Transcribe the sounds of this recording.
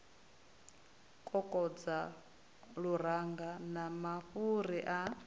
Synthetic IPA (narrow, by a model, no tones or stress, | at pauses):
kʼɔkʼɔd͡za | ɺuɾaŋɡanamaɸuɾiʔa